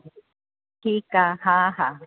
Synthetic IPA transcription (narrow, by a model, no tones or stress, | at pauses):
hikahaɦa